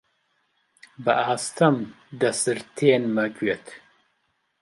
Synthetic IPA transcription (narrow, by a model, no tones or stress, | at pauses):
bəʔaːst̪ʰɐm | d̪ɐsɨɾt̪ʰeːnmɐkɥet̪ʰ